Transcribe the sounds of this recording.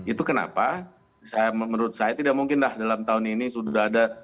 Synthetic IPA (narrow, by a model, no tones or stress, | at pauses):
it̪ukəna̰pa | sajaməməɾʊt̪̚sajat̪idaʔ̚muŋkɪnlahdalamt̪aʊninisudaɦada